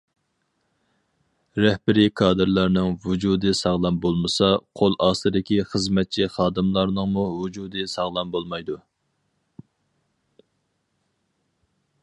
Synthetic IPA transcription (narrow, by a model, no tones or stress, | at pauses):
ɾɛhbɪɾikʰɑːd̪ɨɾlˠɑɾnɨŋvud͡ʒud̪ɨsɑʁlˠɑmbolˠmɨsɑqʰolˠʔɑːsɨd̪ɪkʲiχəzmɛt̪̚t͡ʃʰiχɑːd̪ɨmlˠɑɾnɨŋmuvud͡ʒud̪ɨsɑʁlˠɑmbolˠmɑjd̪u